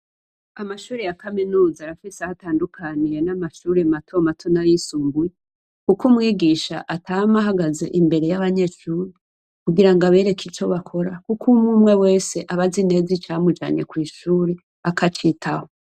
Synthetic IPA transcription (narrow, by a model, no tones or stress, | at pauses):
amaʃuːɾejakaminuːzaɾafisahataːndukʰaniɾe̞namaʃuːɾematʰo̞matʰonajisuːmbuje | kukumŋiːɡiʃa̰ʔatʰaamaɦaɡaze̞̰ʔimbe̞ɾe̞jaβaɲe̞ʃuːɾi | kuɡiɾaŋɡaβe̞ːɾe̞kʰit͡ʃo̞βakʰo̞ɾakukʰumumŋe̞we̞ːse̞ʔaβazine̞zit͡ʃamud͡ʒa̰ːɲe̞̰kwiːʃuːɾe | akʰat͡ʃitʰaho